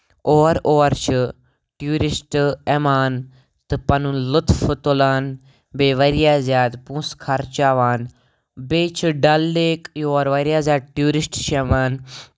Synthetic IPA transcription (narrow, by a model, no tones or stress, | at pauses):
oːɾoːɾt͡ʃʰə | ʈjuːɾɪsʈɛːmaːn | t̪ɨpɐnũlʊt̪fʰət̪olaːn | beːʋəɾjaːzjaːd̪pũːskʰɐɾt͡ʃaːʋaːn | beːt͡ʃʰɖɐlːeːkjoːɾʋɐɾjaːzʲjaːd̪̚ʈjuːɾɪsʈt͡ʃʰɛːmaːn